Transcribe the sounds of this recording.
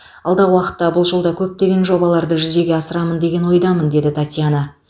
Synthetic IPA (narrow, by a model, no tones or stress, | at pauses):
ɑlˠd̪ɑʁəwɑqə̥t̪ːɑbʊlˠʒəlˠd̪ɑkʲʰɵp̚t̪e̞ɡʲe̞nʒo̞bɑlˠɑɾd̪əʒʏze̞ɡʲeɑsəɾɑmənd̪e̞ɡʲe̞nwo̞jd̪ɑmənd̪e̞d̪ɪt̪ʰat̪ʲjanə